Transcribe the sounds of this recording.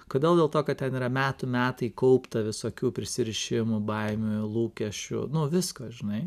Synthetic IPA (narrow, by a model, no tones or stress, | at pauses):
koːd̪ʲeːlˠdʲeːlˠt̪oːkɐt̚t̪ʲɛniːɾɐmʲæːt̪ʊmʲæːt̪ɐɪkɐʊpt̪ɐʋʲɪsoːkʲuːpʲɾʲɪsʲɪɾʲɪʃʲɪmʊbɐɪmʲʊlˠuːkʲɛʃʲt͡ʃʲʊ̰nʊʋʲɪskoːʒʲɪnɐɪ